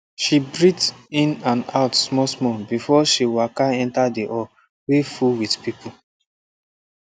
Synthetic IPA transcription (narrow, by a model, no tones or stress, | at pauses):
ʃibɹitĩnãnaʊtsmɔsmɔbifɔʃiwakaɛ̃ntadiʔɔ | wefuwidpipʰu